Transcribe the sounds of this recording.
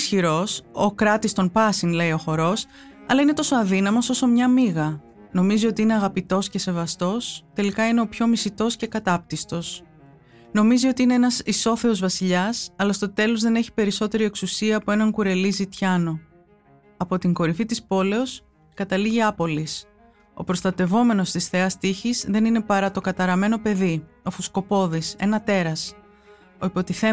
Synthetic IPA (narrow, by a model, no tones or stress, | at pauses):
sçiɾo̞so̞kɾɐt̪ist̪o̞npɐsiŋle̞io̞xo̞ɾo̞s | ɐlɐine̞t̪o̞so̞ɐðinɐmo̞so̞so̞mɲɐmiɣɐ | no̞mizio̞t̪iine̞ɐɣɐpit̪o̞sce̞se̞vɐst̪o̞st̪e̞likɐine̞o̞pço̞misit̪o̞sce̞kɐt̪ɐp̚t̪ist̪o̞s | no̞mizio̞t̪iineenɐsiso̞θe̞o̞zvɐsiʎɐsɐlɐst̪o̞t̪e̞lo̞zðe̞ne̞çi̥pe̞ɾiso̞t̪e̞ɾie̞ksusiɐːpo̞e̞nɐŋkuɾe̞lizit̪çɐno̞ | ɐpo̞t̪iŋɡo̞ɾifit̪ispo̞le̞o̞s | kɐt̪ɐliʝiɐpo̞lis | o̞̰pɾo̞st̪ɐt̪e̞vo̞me̞no̞st̪isθe̞ɐst̪içizðe̞nine̞pɐɾɐt̪o̞kɐt̪ɐɾɐme̞no̞pe̞ði | o̞fusko̞po̞ðise̞nɐt̪e̞ɾɐs | o̞ipo̞t̪iθe